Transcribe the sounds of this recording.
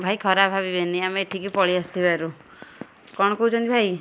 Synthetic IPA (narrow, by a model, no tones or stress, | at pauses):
bʱajkʰɔɾabʱabibeniameʈʰikipɔɭiast̪ʰibaɾu | kɔɽ̃ɔkout͡ʃʰɔ̃nt̪ʰibʱaj